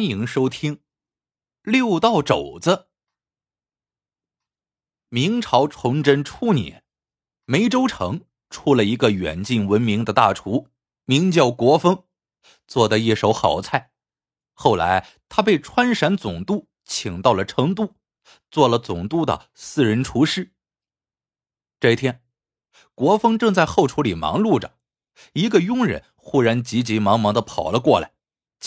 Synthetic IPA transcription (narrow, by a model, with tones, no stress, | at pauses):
ni˧˥ŋʂo˥ʊt̪ʰi˥ŋ | ljo˥˧ʊt̪ɑ˥˩ʊʈ͡ʂo˨˩ʊt͡sə˦ | mi˧˥ŋʈ͡ʂʰɑ˧˥ʊʈ͡ʂʰʊ˧˥ŋʈ͡ʂə˥nʈ͡ʂʰu˥njɛ̰˨˩˦n | me˧˥ɪʈ͡ʂo˥ʊʈ͡ʂʰɤ̰˧˥ŋ | ʈ͡ʂʰu˥˩lə˩i˧˥ɡə˧ɥɛ̰˨˩nt͡ɕi˥˩nwə˧˥nmi˧˥ŋd̪ə˧t̪a̰˥˩ʈ͡ʂʰu˧˥ | mi˧˥ŋt͡ɕjɑ˥˩ʊkwɔ˧˥fɤ˥ŋ | t͡swɔ˥˩d̪ə˩˧i˥˩ʂo˧˥ʊxɑ˨˩ʊt͡sʰa˥˩ɪ | xo˥˩ʊla̰˧˥ɪ | t̪ʰa˥pe˥˩ɪʈ͡ʂʰwa˥nʂa˧˥nt͡sʊ˨˩ŋt̪u˥˩ | t͡ɕʰi˨˩ŋt̪ɑ˥˩ʊlə˩ʈ͡ʂʰɤ˧˥ŋt̪̬u˥˩ | t͡swɔ˥˩lə˩t͡sʊ˨˩ŋt̪u˥˩d̪ə̰˨ | sɹ̩˥˩ɻə˧˥nʈ͡ʂʰu˧˥ʂɻ̩˥˩ | ʈ͡ʂɤ˥˧˩t̪ʰjɛ˥n | kwɔ˧˥fɤ˥ŋʈ͡ʂɤ˥˧ŋt͡sa˥˧ɪxo˥˩ʊʈ͡ʂʰu˧˥li˨˩mɑ̰˧˥ŋlu˥˩ʈ͡ʂə̰˩ | i˧˥ɡə˧jʊ˥ŋɻə̰˧˥n | xu˥ɻa˧˥nt͡ɕi˧˥t͡ɕi˧˥mɑ˧˥ŋmɑ˧˥ŋd̪ə˧pʰɑ˨˩ʊlə˦kwɔ˥˩la̰˧˩ɪ